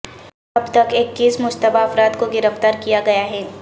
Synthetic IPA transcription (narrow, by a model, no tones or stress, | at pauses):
ɐbt̪ɐkeːkːiːsmʊd͡ʒt̪əbaɐfɾaːd̪koɡɪɾəft̪aːɾkijaɡɐjaɦɛː